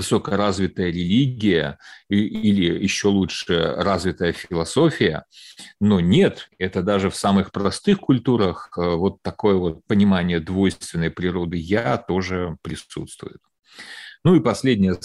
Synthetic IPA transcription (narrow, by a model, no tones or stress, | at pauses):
vɨsokəɾazvʲɪt̪əjəɾʲɪlʲiɡʲɪjə̰ʔilʲɪjɪɕːo̞lˠutʂɨjə̰razvʲɪt̪əjəfʲlˠɐso̞fʲɪjə̰no̞nʲe̞t̪ɛt̪əd̪aʐɨfsamɨxpɾɐst̪ɨxkʊlʲt̪uɾəxəvo̞t̪ːɐko̞jəvo̞t̪̚pənʲɪmanʲɪjəd̪vo̞jst̪vʲɪnːəjpɾʲɪɾo̞d̪ɨjat̪o̞ʐɨpɾʲɪsṵt̪st̪vʊ̰jʊt̪̚ | nuipɐsʲlʲedʲnʲɪjə